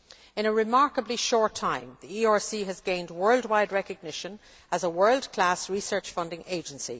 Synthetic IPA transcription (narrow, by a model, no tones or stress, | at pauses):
ɪ̃ñəɹɪmaɹkəbliʃɔɹtʰãɪ̃mðiiɑɹsiəzɡẽɪ̃ndwɜ˞lˠdwaɪdɹɛkəɡ̚nɪʃə̃n | əzəwɜ˞lˠdkʰl̥asɹisɜ˞t͡ʃfʌ̃ndɪ̃ŋʔeɪd͡ʒə̃nsḭ